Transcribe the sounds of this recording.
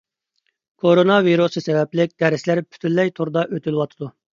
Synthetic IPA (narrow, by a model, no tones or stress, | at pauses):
kʰoɾonɑviɾusɨsɛvɛplɪk̚ʲd̪ɛɾɪslæɾpʰy̥t̪ʰylːɛjt̪ʰoɾd̪ɑʔøt̪ʰylwɑt̪ʰɨd̪u